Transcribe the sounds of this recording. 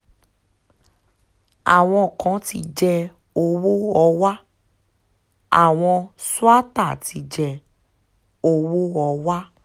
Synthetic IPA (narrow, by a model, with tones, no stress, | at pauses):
a̰˨w̃ɔ̃˧˨kã˨˦ti˧d͡ʒɛ˧ | o˧wo˦ɔ˧wa˦ | a̰˨w̃ɔ̃˧su˦a˦ta˦˨ti˧d͡ʒɛ˧ | o˧wo˦ɔ˧wa˦